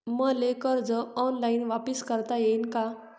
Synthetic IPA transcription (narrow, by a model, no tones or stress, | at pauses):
məlekəɾd͡zəɔnlainʋapiskəɾt̪ajeinka